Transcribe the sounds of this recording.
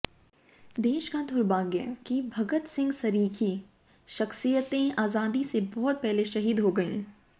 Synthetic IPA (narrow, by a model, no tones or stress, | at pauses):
d̪eːʃkad̪ʱʊɾbaːɡjə̰kibʱɐɡət̪sɪ̃ŋɡsɐɾiːkʰi | ʃɐxsijət̪ẽaːzaːd̪isebɔɦt̪̚pɛɦleʃɐɦiːd̪ɦoɡɐḭ̃ː